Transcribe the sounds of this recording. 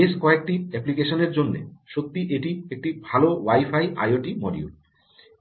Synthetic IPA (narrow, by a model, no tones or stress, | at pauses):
eskɔek̚ʈiɛplikeʃoneɾd͡ʑonːḛʃok̚t̪ːiʔeʈiek̚ʈibʱalowajfajʔa̰joʈimɔɖḭṵl